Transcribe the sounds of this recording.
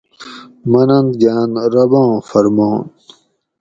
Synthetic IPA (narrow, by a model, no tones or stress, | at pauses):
mɐnɐnd̪ɡaːnɾɐbãːfɐɾmoːn